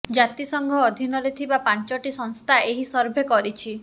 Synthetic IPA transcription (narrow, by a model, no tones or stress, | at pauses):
d͡ʒat̪isɔŋɡʱɔːd̪ʱinɔɾet̪ʰibapant͡ʃɔʈisɔŋst̪ʰaʔeɦisɔɾbʱekɔɾit͡ʃʰi